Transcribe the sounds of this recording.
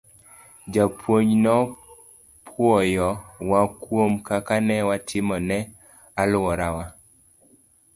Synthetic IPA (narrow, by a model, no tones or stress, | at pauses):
d͡ʒapʰwoɲnɔ | pʰwɔjɔwakwomkakanɛwatʰɪmɔnɛ | alɔɾawa